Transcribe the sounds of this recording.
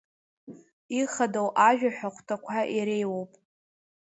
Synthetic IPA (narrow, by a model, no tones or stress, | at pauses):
iχadowʔaʒᶣaħʷᶣaχʷʰtʰakʷʰaʔiɾejwowpʼ